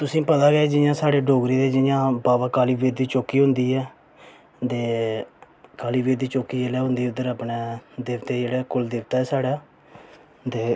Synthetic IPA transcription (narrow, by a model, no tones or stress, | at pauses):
t̪ʊsĩːpət̪aːɡɛːd͡ʒɪjãːsaːɽeːɖoːɡɾiːd̪eːd͡ʒɪjãːbaːbaːkaːliːbeːɾd̪iːt͡ʃoːkiːɦʊ̃nd̪iːɛː | t̪eː | kaːliːbeːd̪iːt͡ʃoːkiːelɛːɦʊ̃nd̪iːʊd̪əɾəpɳeːd̪eːʋt̪eːd͡ʒeːɽɛːkʊld̪ɪːʋt̪aːɛːsaːɽaː | t̪eː